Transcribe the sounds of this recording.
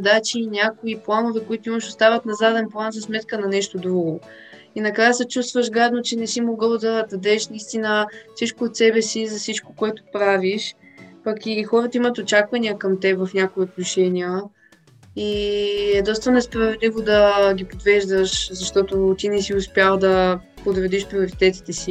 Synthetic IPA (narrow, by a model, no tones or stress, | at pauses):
zɐd̪at͡ʃiːnʲakoiplˠanovɛkoit̪ʊiməʃost̪avət̪nɐzad̪ɛnplˠanzɐsmɛt̪kənɐnɛʃt̪od̪ɾuɡo | inɐkɾajəsɛt͡ʃust̪vəʃɡad̪not͡ʃɛnɛsimoɡɤlˠd̪ɐd̪ɐd̪ɛʃnɐist̪inəfsit͡ʃkoːt̪sɛbɛsizɐsit͡ʃkokoɛt̪ʊ̥pɾaviʃpɐkixɔɾət̪əimət̪ot͡ʃakvɐnʲiəkɐmt̪ɛvɐfnʲakʊiot̪noʃɛnʲiə | iɛd̪ɔst̪ənɛspɾɐvɛd̪livod̪ɐɡʲipod̪vɛʒd̪əʃzɐʃt̪ɔt̪ot̪inɛsiʊspjalˠd̪ɐ | pod̪ɾɛd̪iʃpɾioɾit̪ɛt̪i̥t̪ɛsi